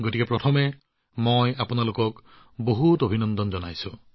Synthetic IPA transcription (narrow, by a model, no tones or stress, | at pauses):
ɡotikɛpɹɔtʰɔmɛ | mojapʊnalokɔk | boɦutobʱinɔnd̪ɔnzɔnajsʊ̰̃